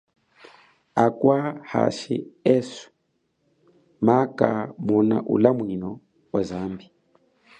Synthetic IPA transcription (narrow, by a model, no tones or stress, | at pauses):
akwaha̰ʃḭɛsu̥ | makamɔna̰ʔulamwinɔ | ɔzambi